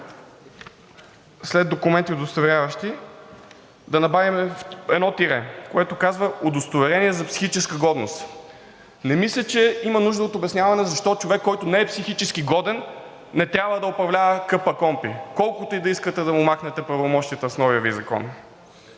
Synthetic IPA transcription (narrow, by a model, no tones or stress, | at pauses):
slɛd̪okʊmɛnt̪iod̪ost̪ovɛɾʲjavɐʃt̪i | d̪ɐnɐbavimɛfɛd̪nɔt̪iɾɛkoɛt̪okazvəod̪ost̪ovɛɾɛniɛzɐpsi̥xit͡ʃɛskəɡɔd̪nost̪ | nɛmislʲət͡ʃɛimɐnuʒd̪əot̪obɛsnʲjavɐnɛzɐʃt̪ɔt͡ʃovɛkːɔjt̪onɛːɛpsixit͡ʃɛskiɡɔd̪ɛnː | ɛt̪ɾʲabvəd̪ɐopɾɐvlʲavəkɤpəkɔmpikɔlˠkot̪oid̪ɐiskət̪ɛd̪ɐmʊmaxnɛt̪ɛpɾɐvomɔʃt̪ijət̪əsnɔviəvizɐkɔ̰n